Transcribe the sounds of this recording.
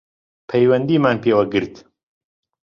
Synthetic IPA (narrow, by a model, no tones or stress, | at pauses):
pʰɛjwɐnd̪iːmaːnpeːwɐɡɨɾt̪